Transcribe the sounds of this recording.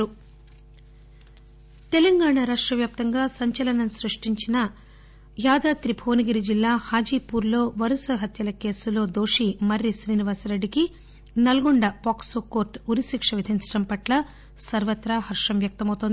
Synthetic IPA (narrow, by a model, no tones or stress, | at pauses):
u | t̪ɛlɐŋɡaːɳaːɾaːʂʈɾɐʋjaːp̚t̪ɐŋɡaːsɐɲt͡ʃɐlɐnɐmsɾuʂʈiɲt͡ʃinɐ | jaːd̪aːt̪ɾipʰoːniɡiɾid͡ʒilːaːhaːd͡ʒiːpuːɾlo̞ːʋɐɾɐsɐɦɐt̪jɐlɐke̞ːsulo̞ːd̪oːʂimɐɾːiʃɾiːniʋaːsɾeɖːiki | nɐlɡuɳɖɐpaːksoko̞ːɾʈuɾisikʂɐʋid̪ʱiɲt͡ʃɐɽɐmpɐʈlɐ | sɐɾʋɐt̪ɾaːɦɐɾʂɐmʋjɐk̚t̪ɐmɐwt̪ond̪i